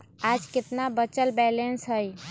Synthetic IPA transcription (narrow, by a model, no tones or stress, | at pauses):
ad͡ʒkɪt̪nabət͡ʃəlbɛlensɦəj